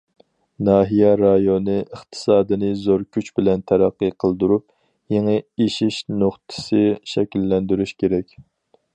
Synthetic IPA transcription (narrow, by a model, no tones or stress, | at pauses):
nɑːɦijɛɾɑjonɨʔəχt̪ʰɨ̥sɑːd̪ɨnɨzoɾkʲyt͡ʃbɪlɛnt̪ʰæɾæqːəqʰəlˠd̪uɾup̚ | jeŋɨeʃiʃnoχt̪ʰɨ̥sɨʃɛkʲilːɛnd̪yɾyʃkʲʰeɾɛkʲ